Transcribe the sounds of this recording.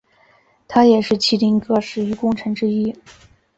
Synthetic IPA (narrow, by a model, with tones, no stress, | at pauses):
t̪ʰa˥jɛ˨˩ʂɻ̩˥˩t͡ɕʰi˥t̪i˥ŋkɤ˥ʂɻ̩˨˩y˧˥kʊ˥˧ŋʈ͡ʂʰɤ˧˥ŋʈ͡ʂɻ̩˥i˥